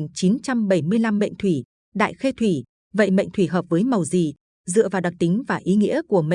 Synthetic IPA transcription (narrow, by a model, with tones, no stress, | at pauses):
ŋt͡ɕi˨˦nt͡ɕa˧mɓə˧˩jmɨ˧əjla˧mːə̰˧˨jŋ̟t̪ʰwi˧˩ | ɗa̰ː˧˨jxe˧t̪ʰwi˧˩ | və̰˧˨jmə̰˧˨jŋ̟t̪ʰwi˧˩ɦəː˨˩p̚vəː˨˦jmə˨˩wzi˨˩ | zɨ̰˧˨əvaː˨˩ɗa˨˩k̚t̪ï˨˦ŋ̟vaː˨˩ʔi˨˦ŋḭ˧˥əku˧˩əm̰˧˨